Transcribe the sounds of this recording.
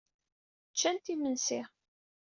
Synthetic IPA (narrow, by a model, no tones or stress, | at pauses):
t͡ʃːænt̪imənsɪ